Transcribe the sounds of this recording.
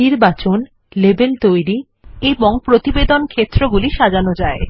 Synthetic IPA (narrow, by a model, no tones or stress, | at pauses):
iɾbat͡ɕon | lebelt̪ojɾi | eboŋpɾot̪ibed̪onkʰet̪ːɾoɡuliʃad͡ʑanod͡ʑae